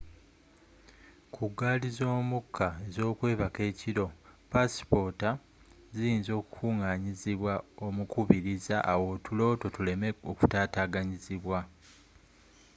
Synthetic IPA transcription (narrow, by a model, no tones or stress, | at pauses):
kʰuɡaːlizo̞ːmukʰːae̞zo̞ːkwe̞ːβake̞ːciɾo̞pasi̥po̞ta | zijinzo̞ːku̥kuːŋaːɲiziβwao̞mukuβiɾizaʔːwo̞ːtulo̞ːto̞tule̞meoku̥taːtaːɡaɲiziβwa